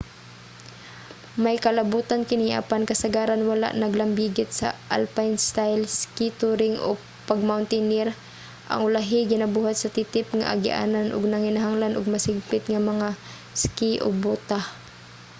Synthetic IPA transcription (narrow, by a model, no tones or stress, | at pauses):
majkɐlabuːt̪ankɪnɪʔa̰pankɐsɐɡaːɾanwala̰ʔnɐɡlɐmbiɡɪt̪̚sɐ̰ʔa̰lpajnst̪ajlskit̪uɾɪŋʔo̰ | paɡ̚mawnt̪ɛniɾ | ʔɐ̰ŋʊlaɦɪɡɪnɐbuːhat̪̚sɐt̪it̪ɪpŋa̰ʔa̰ɡɪʔa̰ːnanʔʊɡnɐŋɪnaɦaŋlanʔʊɡ̚mɐsɪɡ̚pɪt̪ŋamɐŋa | skɪʔo̰ɡ̚buːt̪ah